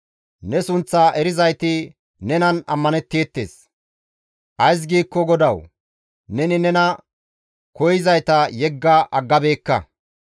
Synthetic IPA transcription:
nɛsʊnt͡sːaːʔɛɾɪzɐjt̪ɪ | nɛnɐnɐmːɐnɛt̪ːe̞ːt̪ːe̞̰ːs | ʔɐjs̬ɡiːkːɔɡɔd̪ɐw | nɛnɪnɛnɐ | kɔjɪzɐjt̪ɐjɛɡːɐʔɐɡːɐbe̞ːkːɐ̰

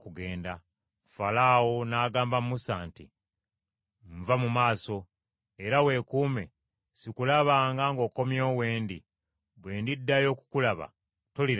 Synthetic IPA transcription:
kuɡe̞ːnda | falawonaːɡaːmbamumusaːntḭ | ɱvamumaːso̞ | e̞ɾawe̞ːkuːme̞̰ | sikulaβaːŋɡaŋɡo̞ːko̞mjo̞ːwe̞ːndi | βwe̞ːndidːajo̞ːku̥kulaβa̰ | toli

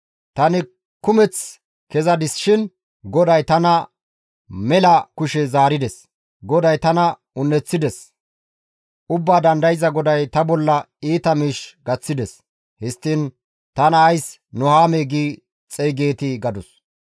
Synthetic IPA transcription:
t̪ɐnɪ | kʊmɛt͡s | kɛzɐd̪ɪsʃɪn | ɡɔd̪ɐjt̪ɐnɐ | mɛlɐkʊʃɛzaːɾɪd̪ɛs | ɡɔd̪ɐjt̪ɐnɐ | ʊnːɛt͡sːɪd̪ɛs | ʔʊbːaːd̪ɐnd̪ɐjɪzɐɡɔd̪ɐjt̪ɐbɔlːɐ | iːt̪ɐmiːʃɡɐt͡sːɪd̪ɛs | hɛst̪ːin | t̪ɐnɐːjs | nɔhaːmeːɡiː | t͡sʼɛjɡe̞ːt̪ɪɡɐd̪ʊs

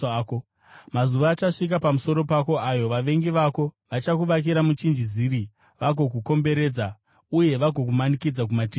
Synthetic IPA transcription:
o | mazuʋaːt͡ʃaʂik̬apamuso̞ɾo̞pako̞ajo̞ʋaʋe̞ŋɡiʋako̞ʋat͡ʃakuʋak̬iɾamut͡ʃind͡ʒiziɾi | ʋaɡʱo̞k̬uko̞mbe̞ɾe̞ːd͡za | uje̞ʋaɡʱo̞k̬umanikid͡zak̬umati

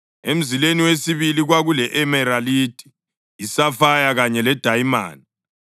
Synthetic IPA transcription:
em̩zileniwesiβiliɣwaɣulɛʔɛmɛɾalitʼi̥ | isafajaɣaɲɛlɛd̥ʱajma̰ːni

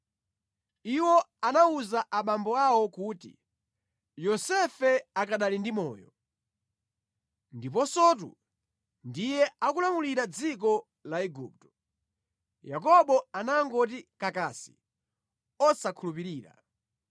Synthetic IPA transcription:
iwɔanauzaʔaɓambɔawɔkuːtḭ | jɔsɛfɛakaɗalindimɔ̰ːjɔ | ndipɔsɔːt̬ṵ | ndijɛakulamuliɾad͡zik̬ɔ | laɛɡup̚tɔ̥ | jak̬ɔɓɔanaŋɡɔt̬ikakasi̥ | ɔsakʰulupiɾiːɾa̰

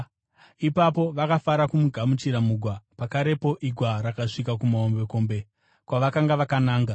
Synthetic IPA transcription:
ipapo̞ʋakafaɾakumuɡʱamut͡ʃiɾamuɡʱwapakaɾe̞po̞ʔiɡʱwaɾakaʂikak̬umaombe̞ko̞mbe̞ | kwaʋakaŋɡaʋakanaːŋɡa

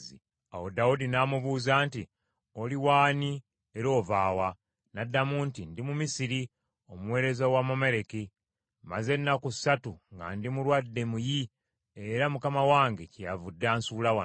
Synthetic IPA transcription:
i | a̰wodaudinaːmuβuːzaːnti | oliwaːni | eɾo̞ːvaːwa | nadːamuntindimumisiɾi | omuwe̞ːɾe̞zawamome̞ɾeki | maze̞nːakusatuŋɡa̰ndimuɾwadːe̞muji | eɾamukamawaːŋɡecijavudːaːnsuːlawa

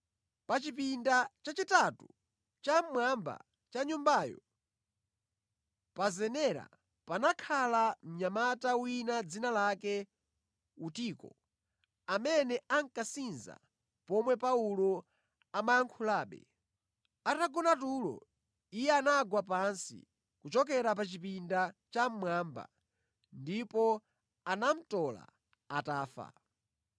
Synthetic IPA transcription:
pat͡ʃip̬indat͡ʃat͡ʃitatu | t͡ʃammwamba̰ | t͡ʃaɲumbaːjɔ̰ | pazɛnɛɾa̰ | panakʰalam̩ɲamatawinad͡zinalakɛ | utikɔ̰ | amɛnɛʔaŋkasinza̰ | pɔmwɛpaulɔ | amaaŋkʰulaːɓɛ̰ | ataɡɔnatulɔ̰ | ijɛanaɡwapansḭ | kut͡ʃɔkɛɾapat͡ʃipindat͡ʃam̩mwaːmba̰ | ndipɔ | anam̩tɔla̰ | ataːfa̰

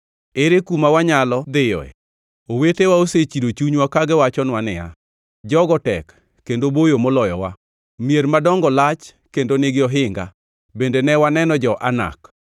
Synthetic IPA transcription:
eɾekumawaɲalɔd̪ɪjɔ̰ɛ̰ | owetewaoset͡ʃidot͡ʃuɲwakaɡɛwat͡ʃɔnwanɪja̰ | d͡ʒɔɡɔtɛkː | endobojomolɔjɔwa | mieɾmadɔŋɡɔlat͡ʃ | kendoneɡɪɔɦɪŋɡa̰ | bendenɛwanɛnɔd͡ʒɔʔana̰k

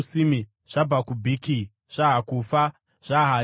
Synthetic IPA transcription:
simi | ʐ̥abakubʱiki | ʐ̥aɦakufa | ʐ̥aɦa

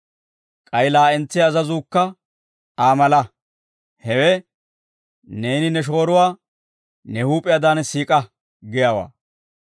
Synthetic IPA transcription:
kʼɐjlaːɛnt͡sːɪɐzɐzuːkːɐ | aːmɐlɐ | hɛwɛ | ne̞ːnɪnɛʃ̬o̞ːɾʊwaː | nɛhuːpʼɪjɐːd̪aːnsiːkʼɐ | ɡɪjaːwa̰ː

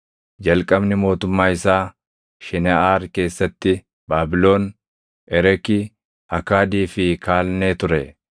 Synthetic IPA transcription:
d͡ʒɐlkʼɐbnɪmo̞ːt̪ʊmːaːɪsaː | ʃɛnɛaːɾke̞ːsːɐt̪ːɪ | baːbɪlo̞ːn | ʔɛɾɛki | ɐkaːd̪iːfɪkʰaːlneːt̪ʊɾɛ

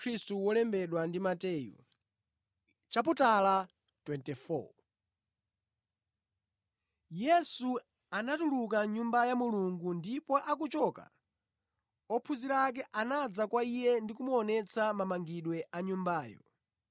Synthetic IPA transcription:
kʰɾistuwɔlɛmbɛɗwandimatɛːjṵ | t͡ʃaputala | twɛntɛfɔ̰ | jɛsu | anatulukaɲumbajamuluŋɡundipɔʔak̬ut͡ʃɔka̰ | ɔpʰuziɾak̬ɛʔanad͡zakwaijɛndikumuɔnɛt͡sʰamamaŋɡiɗwɛʔaɲumbaːjɔ̰

